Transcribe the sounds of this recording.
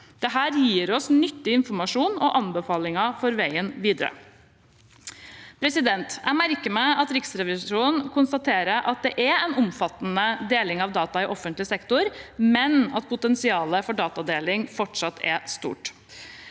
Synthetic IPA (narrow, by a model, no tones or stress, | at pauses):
d̪̥ɛɦæːɾjiːɾɔsnʏt̪ːɪɪnfɔɾmɑʂuːnɔʔɑnbəfɑːlɪŋɑfɔɾʋæɪənʋiːd̪əɾə̰ | pʰɾɛsɪd̪ɛnt̪æɪmæɾkəmæɪɑt̪ɾɪksɾɛʋɪsuːnn̩kʰʊnst̪ɑt̪ʰeːɾəɾʔɑt̪̚d̪ɛʔɛɛɪnʊmfɑt̪ːnəd̪eːlɪŋɑʋd̪ɑːt̪ɑɪʔɔfːənt̪lɪsɛkt̪ʊɾmɛnɑt̪̚pʰʊt̪ɛnsɪɑːləfɔɖɑːt̪ɑd̪eːlɪŋfɔʈʂɑt̪ʰːɛ̰st̪ṵːʈ